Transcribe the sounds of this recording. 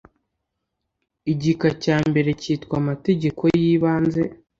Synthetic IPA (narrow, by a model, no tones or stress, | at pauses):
iɟikacaːmbe̞ɾe̞ciːtkwamate̞ɟe̞ko̞jiːβaːnze̞